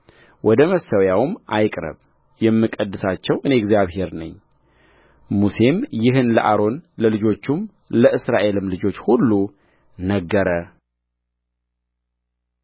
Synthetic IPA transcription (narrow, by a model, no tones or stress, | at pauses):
wʔɔd̪əməsəwjawmajkʼɾə̰β | jɛmːɨkʼəd̪ːɨsat͡ʃːɛwʔɨne̞ɡzjaβhe̞ɾnɨɲː | muse̞mjɪɦɨnlə̰ʔaɾo̞nləlɨd͡ʒo̞t͡ʃːum | ləɨsɾaʔe̞lɨmlɨd͡ʒo̞t͡ʃːhulːu | nəɡːəɾə